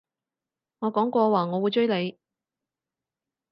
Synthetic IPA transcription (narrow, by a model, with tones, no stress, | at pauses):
ŋɔː˨˧kɔː˨˥ŋkʷɔː˧waː˨ŋɔː˨˧wuː˨˧jt͡ʃɵ˥ɥle˨˧j